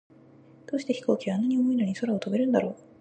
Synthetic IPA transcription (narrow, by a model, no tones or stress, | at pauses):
d̪̥oːɕi̥t̪e̞çi̥ko̞ːkʲiβaːnːaɲ̟io̞mo̞inoɲ̟iso̞ɾao̞t̪obe̞ɾɯ̟̃nd̪aɾo̞ː